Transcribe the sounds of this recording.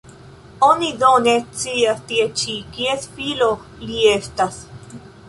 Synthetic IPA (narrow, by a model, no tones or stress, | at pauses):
onidonet͡siast̪iet͡ʃikiesfilo | liest̪as